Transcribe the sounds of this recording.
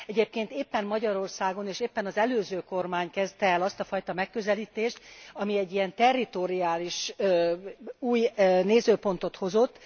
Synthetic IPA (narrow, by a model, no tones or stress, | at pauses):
ɛɟeːp̚keːnt̪eːpːɛmmɒɟɒɾo̞rsaːɡo̞neːʃeːpːɛnɒzɛløːzøːko̞rmaːɲkɛzt̪ɛːlɒst̪ɒfɒjt̪ɒmɛkːø̞zɛliːt̪eːʃt̪ɒmiɛɟːijɛnt̪ɛrːit̪o̞ɾiaːliʃ | uːjneːzøːpo̞nt̪o̞t̪ho̞zo̞t̪ː